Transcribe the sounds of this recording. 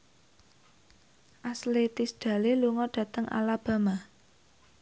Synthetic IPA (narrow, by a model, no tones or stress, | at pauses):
ʔaslet̪isd̥ä̤leluŋɔɖ̥ä̤t̪əŋʔa̰lab̥a̤ma